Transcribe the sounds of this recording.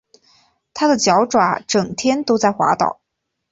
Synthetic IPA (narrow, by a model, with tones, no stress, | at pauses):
t̪ʰa˥d̪ə˨t͡ɕjɑ˧˥ʊʈ͡ʂwa˨˧˥ʈ͡ʂɤ˨˩ŋt̪ʰjɛ˥nt̪o˥ʊt͡sa˥˩ɪxwa̰˧˥t̪ɑ̰˨˩˦